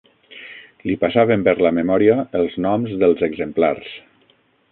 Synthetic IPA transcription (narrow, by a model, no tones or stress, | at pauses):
lipasaβəmpəɾləməmɔɾiəːlˠznɔmzðəlˠzəɡzəmplars